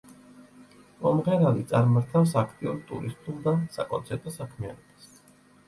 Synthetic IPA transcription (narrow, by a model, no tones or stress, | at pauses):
mɔmʁɛɾalit̪sʼaɾmaɾt̪ʰafsakʰt̪ʼiuɾt̪ʼṵɾist̪ʼulˠd̪asa̰kʼɔ̰nt̪sʰɛɾt̪ʼɔsakʰmia̰nɔb̥as